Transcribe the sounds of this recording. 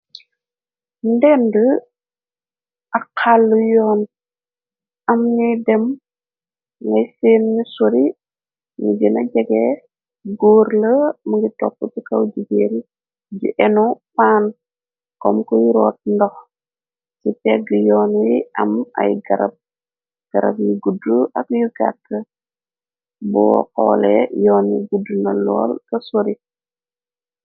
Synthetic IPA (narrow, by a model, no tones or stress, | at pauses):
ndɛndə | ʔɐkʰːalːujɔːn | ʔɐmnidɛm | ŋɡɐjfeːnɲisoɾi | nḭd͡ʒinɐɟɛɡɛ | ɡoːɾləməɡitɔ̰pːətikɐwɟiɡel | ɟḭʔɛnɔpaːn | kɔmkɔjiɾɔːt̚ndɔx | sipɛɡəjɔːnjiʔɐmɐ̰jɡɐɾɐ̰b̚ | ɡ̥ɐɾɐ̰b̚juɡuduʔɐkjuɡa̰tːə | bɔ̰kɔ̰ːlɛ̰jɔːnjiɡudunɐlɔ̰ːlkɐsoɾi